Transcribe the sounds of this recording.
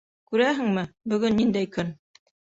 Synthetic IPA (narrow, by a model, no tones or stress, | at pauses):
kʉɾæɦɘ̆ŋmɘbɵ̆ɡɵnːind̪æjkɵn